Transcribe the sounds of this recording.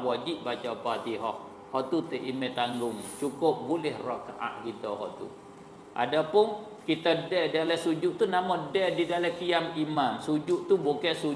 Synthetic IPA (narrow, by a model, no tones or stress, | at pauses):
wad͡ʒiʔ̚bat͡ʃapat̪iɦɔh | hɔʔt̪ut̪əʔimɛt̪aŋɡʊŋt͡ʃukʊp̚bulɛhrɔʔka̰ʔa̰ʔkit̪ɔɦɔ̰ʔt̪ṵ | ʔa̰dapʊn | kit̪adɛʔdalɛsud͡ʒuʔt̪unamɔdɛdidalakiamimansud͡ʒuʔt̪ubokɛsu